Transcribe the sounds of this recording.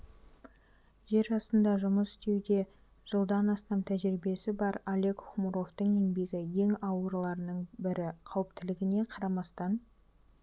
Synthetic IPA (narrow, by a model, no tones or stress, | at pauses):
ʒe̞ɾʒɑsənd̪ɑʒʊməsɪ̥st̪e̞wd̪e̞ | ʒ̥əlˠd̪ɑnɑst̪ɑmt̪ʰæʒɾibe̞sɪbɑɾalʲe̞kχumuɾo̞ft̪əɴe̞nbe̞ɡʲɪje̞ŋɑwəɾlˠɑɾənəɴbɪɾɪqʰɑwəp̚t̪ɪlɪɡʲɪne̞qʰɑɾɑmɑst̪ɑn